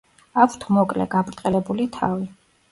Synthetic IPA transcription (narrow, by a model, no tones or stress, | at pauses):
akʷʰt̪ʰmɔkʼlɛ̰ɡapɾt̪ʼɛlɛbulit̪ʰavi